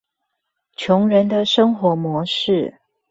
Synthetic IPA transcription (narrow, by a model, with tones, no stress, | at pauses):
t͡ɕʰjʊ˧˥ŋɻə˧˦nd̪ə˧ʂɤ˥ŋxwɔ˧˥mwɔ˧˥ʂɻ̩˥˩